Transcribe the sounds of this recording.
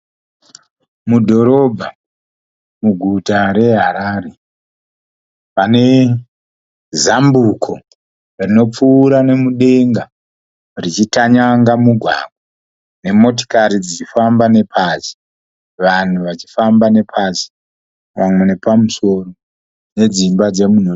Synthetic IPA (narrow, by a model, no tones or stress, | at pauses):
mudʱo̞ɾo̞bʱa | muɡʱutaɾe̞ɦaɾaːɾe̞ | pane̞ | zambukʰo̞ | rino̞p͡fuːɾane̞muɗe̞ŋɡa | rit͡ʃitaɲaŋɡamuɡʱwa̰ɡ̚ʱwa | ne̞mo̞t̬o̥kaɾid͡zit͡ʃifambane̞pʰazi̥ | ʋan̤uʋat͡ʃi̥fambane̞pʰazi̥ | wamwene̞pamuso̞ro | ne̞d͡zimbad͡ze̞mun̤o